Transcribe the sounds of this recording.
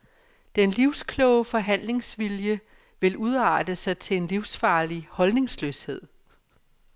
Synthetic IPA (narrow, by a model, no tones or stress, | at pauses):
d̥enliʊskʰlɔʊəfɒ̽ɦæn̰le̝ŋsʋiljə | ʋe̝lʔuð̞ˠɑ̰̈ːd̥əsɑ̈ɪt͡sʰe̝e̝nliʊsfɑ̈ːlihɒ̽lne̝ŋslø̰ːshe̝ð̞̰ˠ